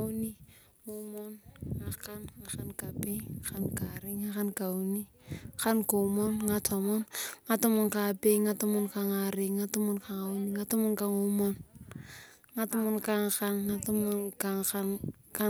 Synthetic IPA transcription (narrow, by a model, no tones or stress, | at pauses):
awni | ŋomonŋakanŋakankapeakankaɾiŋːakankawni | kankomonŋatamonŋatomonkapeŋatomonkaŋaɾiŋŋatomonkaŋawniŋatomonkaŋomon | ŋatomonkaŋkanŋatomonkaŋkanka